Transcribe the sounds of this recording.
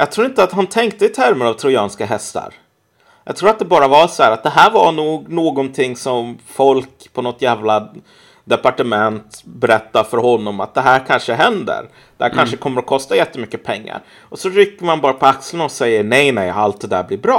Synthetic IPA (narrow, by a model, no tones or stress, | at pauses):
jɑːɡ̚t̪ʰɾuːɾɪnt̪əat̪hant̪ʰɛŋkt̪əɪt̪ʰæɾmənavt̪ʰɾʊjɑːnskaɦɛst̪a̰ɾ | jɑ̰ɡt̪ʰɾuːɾat̪̚d̪ɛbɑːɾavasɔhæːɾat̪̚d̪ɛɦæːɾvaɳuːɡnoːɡɔnt̪ʰɪŋːsɔmfɔlk | pʰɔnɔt̪jæːvla | d̪ɛpaʈəmɛnt̪bɛɾɛt̪ːaɾfœɾɦɔnːɔma̰t̪̚d̪ɛɦæːɾkʰanʂəɦɛnd̪ə̰ɾ | d̪̥ɛhæːɾkʰanʂəkʰɔmːəɾɔkʰɔst̪ajɛt̪ːəmʏkːəpʰɛŋːa̰ɾ | ʔɔsɔɾʏkːəɾmanbɑːɾapʰɔakslənɔsɛjːəɳɛjnɛjalt̪̚d̪ɛd̪æːɾblɪɾbɾɑː